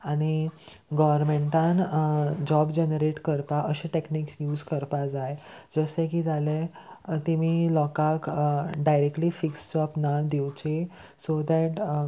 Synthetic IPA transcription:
aɽ̃iɡɔʋəɾmẽɳʈãnd͡ʑɔbd͡ʑenəɾeʈkəɾpaʔəɕẽʈekniksjuːd͡zkəɾpad͡zajed͡zəsẽk̬id͡zale | t̪imilɔkakɖajɾek̚ʈlifikst͡ɕɔpnad̪ewt͡ɕe | sod̪ɛʈ

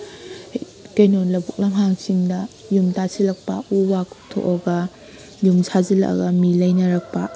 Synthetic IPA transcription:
kejnonlɐbuk̚lɐŋɦaŋsiŋdɐjumtasilɐk̚pɐuwakʰu̥k̚tʰo̰ʔoɡɐ | jumsʰazilɐ̰ʔɡɐmilɐjnɐɾɐk̚pɐ

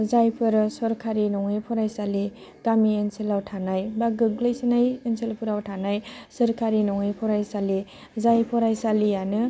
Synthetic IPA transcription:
zajpʰɯɾsɔɾkʰaɾinɔŋajpʰɔɾajsali | ɡ̥amienselawtʰanajbaɡɯɡlajsinajenselpʰuɾawtʰanajsɯɾkʰaɾinɔŋajpʰɔɾajsali | zajpʰɔɾajsalijanɯ

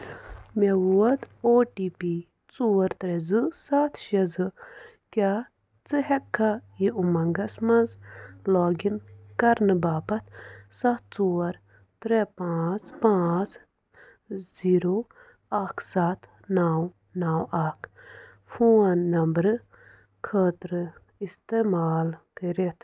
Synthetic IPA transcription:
mewuɐd̪oːʈiːpi | t͡suːɐɾt̪ɾezɨsat̪ʰʃɐzɨ | kʲaː | t͡sɨɦɛkʰːɐjiumɐŋɡɐsmɐnzlɔːɡinkɐɾnɨbaːpɐt̪̚ʰsɐt̪̚ʰt͡suːɐɾ | t̪ɾepãːt͡spãːt͡s | ziːɾo | aːkʰsat̪ʰ | naːw | naːwaːkʰ | fʰuːnːɐmbɾɨ | kʰəːt̪ɾɨ | ist̪eːmaːlkəɾet̪ʰ

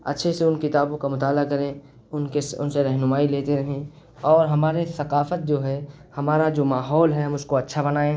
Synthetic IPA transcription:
ɐ̰tːʃʰeseʊnkɪt̪aːbõkamʊt̪aːlakɐɾẽ | ʊnkesʊ̰nseɾɛɦnʊmaːileːt̪eɾɐɦẽ | ɔːɾɦɐmaːɾesɐqaːfət̪̚d͡ʒoːɦɛhɐmaːɾad͡ʒoːmaːɦɔːlɦɛɦɐmʊskoɐtːʃʰabɐnaːẽː

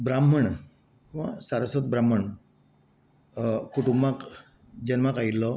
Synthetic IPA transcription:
bɾam̤əɳ | kiʋa̰saɾəsɔt̪̚bɾam̤ːəɳ | kuʈumbak | d͡ʑənmakait̪lɔ

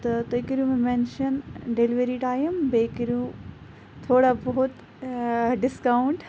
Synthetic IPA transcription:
t̪ɐt̪ɐkɾijũmẽmẽːnʃɐnɖeːliʋeɾiʈaːjəmbeːkɾijũ | t̪ʰoːɽabɔɦʊt̪ | ɖɪskaːʊɳʈ

